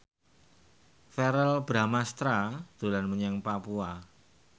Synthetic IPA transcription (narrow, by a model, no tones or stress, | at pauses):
fɛɾɛlbɾamast̪ɾad̪̥ṳlanməɲaŋpapua